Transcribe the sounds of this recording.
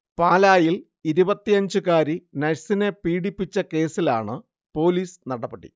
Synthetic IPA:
paːlaːjil | iɾubɐt̪ːijɐɲd͡ʑukaːɾinɐɻsine̞piːɽipːit͡ɕːɐke̞ːsila̰ːɳɨ | po̞ːliːsnɐɽɐpːeɽḭ

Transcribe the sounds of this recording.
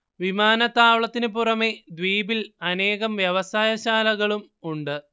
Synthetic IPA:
ʋimaːnɐt̪ːaːʋɭɐt̪ːinɨpurɐme̞d̪ʋiːbilɐne̞ːɣɐmʋjɐʋɐsaːjɐɕaːlɐɣɐɭum | uɳɖɨ

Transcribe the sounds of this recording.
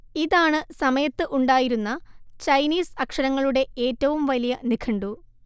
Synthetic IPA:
iðaːɳɨsɐmɐjɐt̪ːɨʔuɳɖaːjiɾunːɐt͡ɕɐjniːsɐkʂɐɾɐŋːɐɭuɽe̞e̞ːtːɐʋumʋɐlijɐnikʰɐɳɖu

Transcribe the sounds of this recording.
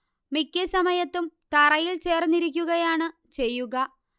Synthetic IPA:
mikʲːesɐmɐjɐt̪ːumt̪ɐrɐjilt͡ɕe̞ːrnːiɾikʲːuɣɐjaːɳɨ | t͡ɕe̞jːuɣɐ

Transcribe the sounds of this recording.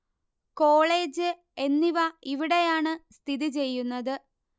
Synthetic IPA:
ko̞ːɭe̞ːd͡ʑɨ | e̞nːiʋɐiʋiɽe̞jaːɳɨst̪ʰiðit͡ɕe̞jːunːɐðɨ

